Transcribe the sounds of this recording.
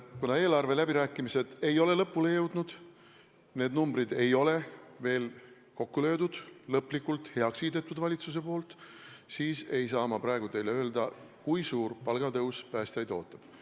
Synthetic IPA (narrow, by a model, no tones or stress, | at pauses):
kunɑe̞ːlɑrve̞læbiɾæːkːˑimise̞d̪̥e̞jo̞le̞lɤpˑːule̞jɤwd̪̥nud̪̥ | ne̞ːd̪numbɾid̪e̞jo̞le̞ve̞ːl | ko̞kːulø̞ːd̪ud̪̥lɤpːˑlikːult̪he̞ɑksiːd̪et̪ːˑud̪vɑlʲit̪sus̬e̞po̞ːlt̪siːse̞jsɑːmɑpɾɑeɡ̥ut̪e̞jle̞ø̞ːld̪ɑkujsuːrpɑlɡ̥ɑt̪ɤwspæːst̪ɑjd̪o̞̰ːt̪ːˑɑb̥